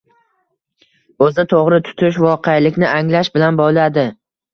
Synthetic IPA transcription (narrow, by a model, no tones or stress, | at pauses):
ɵzt̪ʰoʁɾɪt̪ʰʊ̥t̪ʰɪʃ̬vɒqʰejalɪkʲnɪʔaŋlaʃbɪlanbɒlˠad̪ɪ